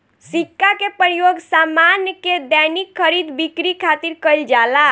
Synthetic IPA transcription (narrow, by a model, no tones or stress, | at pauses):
sikːakepɾəjoɡsamanjəked̪ɛjnikʰːəɾid̪bikɾikʰat̪iɾkəjld͡ʒala